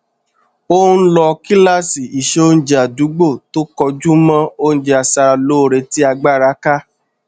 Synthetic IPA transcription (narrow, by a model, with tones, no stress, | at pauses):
o˦n̩˦lɔ˧ki˦la˦˨si˨i˨ʃe˦o˦n̩˦d͡ʒe˧˨a˨du˨˦ɡ͡bo˦˨to˦kɔ˧d͡ʒu˦mã˦o˦ñ̩˦d͡ʒe˧a˨sa˧ɾa˧lo˨˦˨ɾe˧ti˦a˧ɡ͡ba˦˨ɾa˨˦ka˦